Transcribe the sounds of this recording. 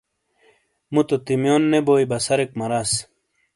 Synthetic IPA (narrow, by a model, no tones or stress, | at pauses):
mut̪ot̪imjoːnːeboːjbɐsɐɾek̚mɐɾas